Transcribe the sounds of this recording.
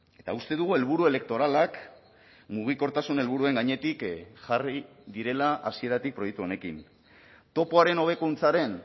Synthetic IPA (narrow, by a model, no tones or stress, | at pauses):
e̞t̪aust̪e̞ðuɣ̞ue̞lβ̞uɾue̞le̞k̚t̪o̞ɾalak | muɣ̞iko̞ɾt̪asune̞lβ̞uɾue̞ŋɡaɲe̞t̪ikʝari | ðiɾe̞laʔa̰sie̞ɾat̪ik̚pɾo̞jekt̪uo̞ne̞kin | t̪o̞po̞aɾe̞no̞β̞e̞kunt͡saɾe̞n